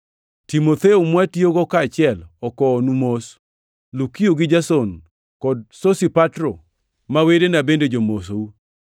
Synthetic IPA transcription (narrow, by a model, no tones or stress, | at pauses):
timot̪eumwatioɡɔkaːt͡ʃɪɛlɔkɔːnumos | lukioɡɪd͡ʒasɔn | kɔd̚sosipatɾo | mawedenabended͡ʒomos̬ou